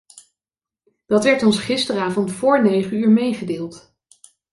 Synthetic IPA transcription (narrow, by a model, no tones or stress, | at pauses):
d̥ɑtʋɛɹtɔnsχɪstəraːvɔntfʊːɹnejχənyːɹmejχədɪːlˠt